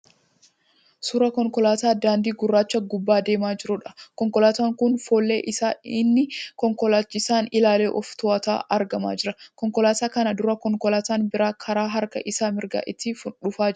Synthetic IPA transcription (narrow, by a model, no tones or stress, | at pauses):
sʊɾɐkɔŋkɔlaːt̪aːd̪aːnd̪iːɡʊrːaːt͡ʃːɐɡʊbːaːd̪e̞ːmaːd͡ʒɪɾʊᶑɐ̥kɔŋkɔlaːt̪aːŋkʊnfoːlːḛːʔɪsaːɪnːɪkɔŋkɔlaːt͡ʃːɪsaːnɪlaːle̞ːʔɔft̪ɔɐt̪a̰ːʔɐɾɡɐma̰ːd͡ʒɪɾɐkɔŋkɔlaːt̪aːkɐnɐd̪ʊɾɐkɔŋkɔlaːt̪aːnbɪɾaːkʰɐɾaːɦɐɾkɐ̰ʔɪsaːmɪɾɡa̰ːʔɪt̪ːɪfʊᶑʊfaː